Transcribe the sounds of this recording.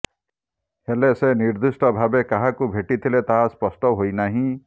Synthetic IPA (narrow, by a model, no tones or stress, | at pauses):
heleseniɾd̪usʈɔbʱabekaɦakubʱeʈit̪ʰilet̪aɦaspɔsʈɔɦojnaɦĩ